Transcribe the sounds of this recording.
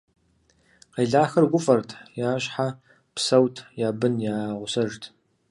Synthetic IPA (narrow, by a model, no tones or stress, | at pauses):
qejɮaːxɐrɡʷʊfʼɐrtʰjaːɕħa | psɐwtʰjaːbɨnjaːʁʷʊsɐʒtʰ